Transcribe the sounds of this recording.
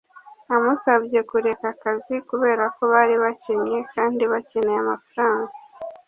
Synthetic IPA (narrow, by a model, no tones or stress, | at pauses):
amusaβje̞kuɾe̞kakazikuβe̞ːɾako̞βaɾiβace̞ɲe̞kaːndiβace̞neamafɾaːŋɡa